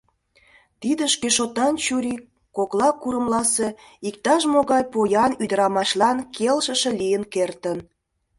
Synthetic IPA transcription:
t̪id̪əʃkeʃot̪ɑnt͡ɕuɾi | koklɑkuɾəmlɑse | ik̚t̪ɑʃmoɣɑjpojɑnyd̪əɾɑmɑʃlɑnkʰelʃə̆ʃelijənkert̪ən

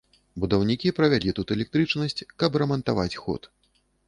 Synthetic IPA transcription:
bud̪ɐwnʲikʲipɾɐvʲalʲit̪ut̪ɛlʲɛk̚t̪ɾɨt͡ʂnɐsʲt͡sʲkɐprɐmɐnt̪avat͡sʲxɔ̰t̪

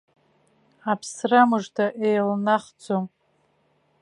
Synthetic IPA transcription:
apʰsramɨʐtʰaʔejlnaχd͡zom

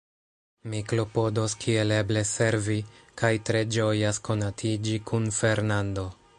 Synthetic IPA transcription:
mikɾo̞po̞do̞skʰiele̞ble̞se̞ɾvikajtɾe̞d͡ʒo̞jasko̞natʰid͡ʒikʰunfe̞ɾnando̞

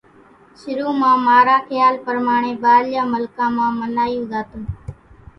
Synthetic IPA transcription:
ʃɪɾuːmãːmaːɾaːxɪjaːlpəɾmaːɳeːbaːljaːməlkãːmãːməlaːijũːzaːt̪ũː

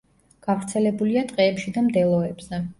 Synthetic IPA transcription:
ɡ̥avɾt̪sʰɛlɛbuliat̪ʼqʼɛːpʃid̪amd̪ɛlˠɔɛbz̥ɛ

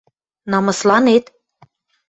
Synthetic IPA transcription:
nɑmɤ̆slɑnet̪

